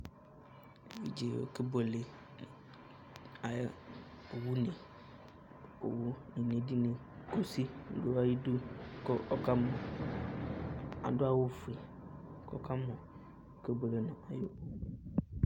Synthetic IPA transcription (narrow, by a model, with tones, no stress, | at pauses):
vḭ˨d͡ʒe˨wo̰˨ke˦be˨le˨ | a˨˦ | o˨wu˦nẽ˨ | o̰˨wu˦nĩ˨nẽ˨di˦nẽ˨ | ko˨si˦do˦wa˦ji˦du˦kɔ˦ka˦mɔ̃˨ | a̰˨do˦a˦wo˦fi˨ | kɔ˦ka˦mɔ̃˨ | o˦ke˦bo˨le˨nã˨a˨jo˦